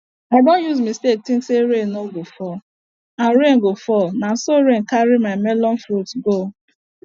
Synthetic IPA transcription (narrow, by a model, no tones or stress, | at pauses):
aɪdõnjuzmistek̚tĩŋkseɾenoɡofɔ | anɾenɡofɔnasoɾen̩kaɾimaɪmɛlɔnfɾutɡo